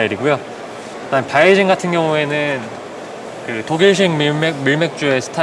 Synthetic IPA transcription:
iɾiɡujo | anpaid͡ʑinɡatʰɯnɡjʌŋue̞nɯn | kɯtoɡiɭɕ̬ʰiŋmimemiɭme̞k̚t͡ɕ͈ue̞sʰɯ̥tʰa

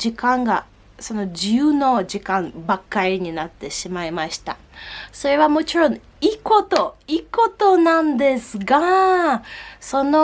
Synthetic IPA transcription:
d͡ʑikãŋɡa | so̞no̞d͡ʑijɯːno̞d͡ʑikãmbakːaɾʲiɲ̟inat̪ːe̞ɕimaimaɕi̥t̪a | so̞ɾe̞βamo̞t͡ɕiɾõ̞ŋ | iːko̞t̪o̞iːko̞t̪o̞nãnd̪e̞sɨɡa | so̞no

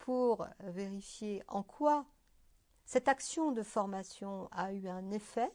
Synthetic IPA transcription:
pʰuʁveʁifjeʔɑ̰̃kʰwa | sɛt̪aksjɔ̃d̪əfɔʁmasjɔ̃ayɛ̃nefɛ

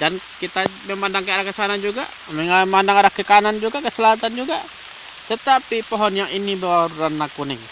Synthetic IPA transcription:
dankit̪amɛmandaŋkəaɾahkəsanand͡ʒuɡa̰ | mɛŋamandaŋaɾahkəkanand͡ʒuɡakəsəlaɦat̪and͡ʒuɡa | t̪ət̪apipɔɦɔnjaŋinibəwaɾuɾanːakunɪŋ

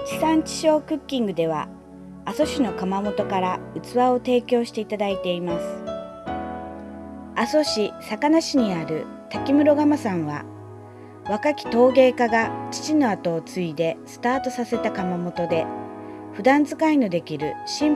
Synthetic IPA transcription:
t͡ɕi̥sãɲt͡ɕi̥ɕo̞ːkɯ̟kʲːĩŋɡɯ̟d̪e̞β̞a̰ː | so̞ɕino̞kamamo̞t̪o̞kaɾaɯ̟t͡sɨβao̞t̪e̞ːkʲo̞ːɕi̥t̪e̞it̪ad̪ait̪e̞imasɨ̥ | aso̞ɕisakanaɕiɲ̟iaɾɯ̟̰ | t̪akʲimɯ̟ɾo̞ɡamasãɰ̃βa̰ | βakakʲi̥t̪o̞ːɡe̞ːkaɡat͡ɕi̥t͡ɕino̞at̪o̞ːt͡sɨid̪e̞sɨ̥t̪aːt̪o̞sase̞t̪akamamo̞t̪o̞d̪e̞ɸɯ̟d̪ãnd͡zɨkaino̞d̪e̞kʲiɾɯ̟ɕĩm

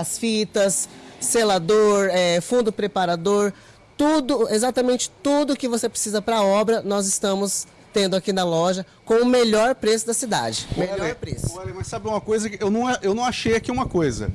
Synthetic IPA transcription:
ɐsfit̪ɐsːelad̪oɾɛfũnd̪ʊpɾepaɾad̪oɾ | t̪ud̪ʊezat̪ɐmẽnt͡ʃɪ̥t̪ud̪ʊkɪvosepɾesizɐpɾɐɔbɾɐnɔzɪst̪ɐ̃mʊs | t̪ẽnd̪ʊakinɐlɔʒɐ | kõʊmeʎɔɾpɾesʊd̪ɐsid̪a̰d͡ʒɪmeʎʎɔɾpɾḛsʊ̥ɔʎɐmɐsabɪũmɐkojzɐkɪewnɐ̃w̃ɛʔewnɐ̃w̃aʃejakiũmɐkojzɐ̰

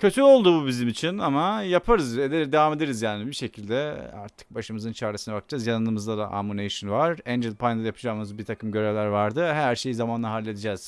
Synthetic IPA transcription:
cʰø̞t̪ʰyo̞lˠd̪ububizimit͡ʃʰinamajapʰaɾɯzed̪ed̪evaːme̞d̪eɾizjaːnibiʃe̞cʰilʲd̪ɛa̰ɾt̪ʰɯ̥k̚baʃɯmɯzɯnt͡ʃʰaɾɯsɯnabakʰɯ̥d͡ʒazjanɯnɯmɯzlˠad̪ˠa̰ʔa̰muneʃɯnvaɾænd͡ʒilʲpʰajnd̪ajapʰɯd͡ʒaːmɯzbiɾt̪ʰakʰɯmɟø̞ɾevlʲæɾvaɾd̪ɯɦæɾʃe̞jizamanlˠaɦalʲːe̞d̪id͡ʒɛz̥

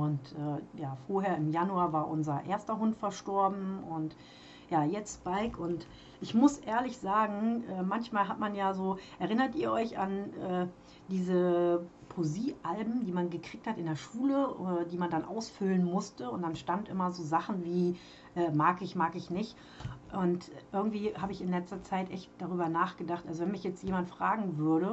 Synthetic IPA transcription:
ʔʊntʔɛːjaːfoːɐɦeːɐɪmjanuaːvaːɐʔʊnzɐʔeːɐstɐɦʊntfɛɐʃtɔɐbm̩ʊnt | jaːjɛt͡stb̥aɪkʰʊnt | ʔɪçmʊsʔeːɐlɪçz̥aːɡŋ̩ʔɛːmançmaːlɦatmanjaːzoːʔɛɐʁɪnɐtʔiːɐʔɔʏçanʔɛː | d̥iːzəpʰoziːʔalbm̩diːmanɡəkʁ̥iːk̚thatɪndeːɐʃuːlədiːmandanʔa̰ʊsfʏlənmʊstəʊnt̚d̥anʃtantʔɪ̰mɐzoːzaχn̩viː | ʔɛːmaːkɪçmaːkɪçnɪçt | ʔʊntʔɪɐɡŋ̩tv̥iːhaːbəɪçɪnlɛt͡stɐt͡saɪtʔɛçt̚d̥aʁyːbɐnaːχɡ̥ədaχtʔalzovɛnmɪçjɛt͡stjeːmantfʁ̥aːɡŋ̩vʏɐɾə

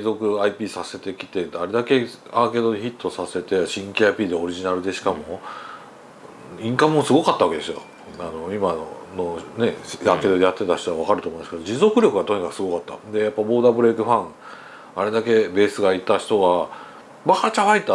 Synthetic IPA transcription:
zo̞kɯ̟aipʲiːsase̞t̪e̞kʲi̥t̪e̞d̪aɾe̞d̪ake̞ | aːke̞d̪o̞niçit̪ːo̞sase̞t̪e̞ɕĩŋkʲiapʲiːd̪e̞o̞ɾʲiʑinaɾɯ̟d̪e̞ɕi̥kamo̞ | ĩŋkãmːo̞sɨɡo̞kat̪ːaβakee̞sɨjo̰ | ano̞imano̰no̞ne̞aːke̞d̪o̞d̪e̞jat̪ːe̞t̪açi̥t̪o̞aβ̞akaɾɯ̟t̪omoĩnmasked̪od͡ʑizo̞kɯ̟ɾʲjo̞kɯ̟ɡat̪o̞ɲ̟ikakɯ̟̥sɨɡo̞kat̪ːa̰d̪e̞japːabo̞ːd̪abɯ̟ɾe̞ːkɯ̟ɸãŋ | aɾe̞d̪ake̞be̞ːsɨɡait̪açi̥t̪o̞ɡa | bahat͡ɕahait̪ːa

